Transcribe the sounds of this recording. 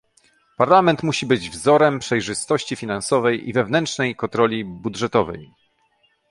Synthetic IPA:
paɾlamɛnt̪muɕibɘd͡ʑvzɔɾɛmpʂɛjʐɘst̪ɔɕt͡ɕifʲinansɔvɛjʔḭvɛvnɛntʂnɛjkɔnt̪ɾɔlʲibudʐɛt̪ɔvɛ̰j

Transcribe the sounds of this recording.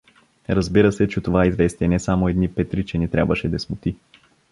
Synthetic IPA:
ɾɐzbiɾəsɛt͡ʃɛt̪ovaizvɛst̪iɛnɛsamoɛd̪nipɛt̪ɾit͡ʃɛnit̪ɾʲa̰bvəʃɛd̪ɛsmʊt̪i

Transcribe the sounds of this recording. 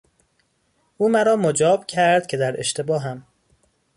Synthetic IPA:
ʔuːmæɾɒːmod͡ʒɒːbcʰæɾd̪̥̚cʰe̞d̪æɾe̞ʃt̪ʰe̞bɒːɦæm

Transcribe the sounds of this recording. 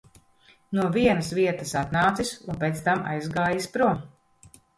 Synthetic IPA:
nuɔviɛnɐsʋviɛt̪ɐsat̪naːt̪sisunpʲet̪st̪ama̰jzɡaːjispɾuɔ

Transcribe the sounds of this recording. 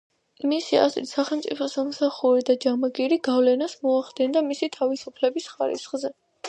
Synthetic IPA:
misia̰zɾḭt̪saχɛlˠmt̪sʼipʰɔsamsaχuɾid̪ad͡ʒamaɡiɾiɡavlɛnasmɔaχd̪ɛnd̪amisit̪ʰavisupʰlɛbisχaɾḭsχzɛ

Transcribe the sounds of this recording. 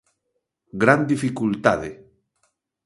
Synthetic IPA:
ɡɾand̪ifikult̪aðe

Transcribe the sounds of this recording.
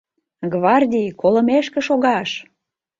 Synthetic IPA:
ɡvɑrdʲijkolə̆meʃkĕʃoɣɑʃ

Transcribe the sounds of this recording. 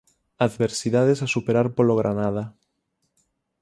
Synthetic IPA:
aðβeɾsiðað̞esasupeɾaɾpoloɣ̞ɾʔanað̞a

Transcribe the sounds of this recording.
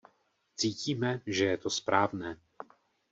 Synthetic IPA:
t͡siːciːmɛʒɛjɛt̪ospɾaːvnɛː

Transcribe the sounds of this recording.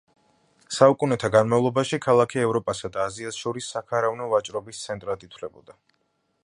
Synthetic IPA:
saukʼunɛt̪ʰaɡanmavlˠɔbaʃikʰalˠakʰiɛvɾɔpʼasad̪aːziasʃɔɾisːakʰaɾavnɔvat͡ʃʼɾɔbist̪sʰɛnt̪ʼɾad̪it̪ʰlɛbɔ̰d̪a

